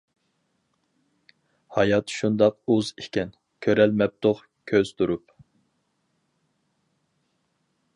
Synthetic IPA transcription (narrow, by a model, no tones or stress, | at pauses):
hɑjɑt̪ʃund̪ɑq̚uzikʲɛn | kʲʰøɾɛlmɛp̚t̪ʰʊʁ | kʲʰøz̥t̪ʰuɾup̚